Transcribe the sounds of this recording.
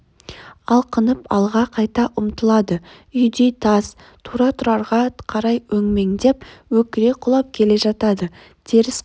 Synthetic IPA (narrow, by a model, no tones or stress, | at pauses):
ɑlˠqʰənəpɑlˠʁɑqʰɑjt̪ɑʔʊmt̪əlˠɑd̪ə | ʏjd̪e̞t̪ʰɑz | t̪ʰuɾɑt̪ʰʊɾɑɾʁɑqʰɑɾɑjwɵŋme̞ŋd̪e̞p̚wɵkʲɪɾe̞qʰʊlˠɑp̚kʲʰe̞le̞ʒɑt̪ɑd̪ə | t̪ʰe̞ɾɪs